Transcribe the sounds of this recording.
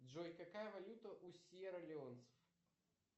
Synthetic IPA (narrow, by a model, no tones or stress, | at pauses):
dʐojkakajəvɐlʲut̪ɐʔusʲjɛɾɐlʲɪont̪sə̥f